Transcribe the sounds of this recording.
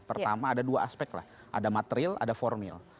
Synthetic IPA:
pərt̪amaːdaduaaspɛk̚t̪la̰h | ʔa̰damat̪əɾila̰dafɔrmɪl

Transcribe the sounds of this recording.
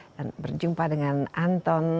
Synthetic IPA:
danbərd͡ʒumpadəŋanant̪ɔn

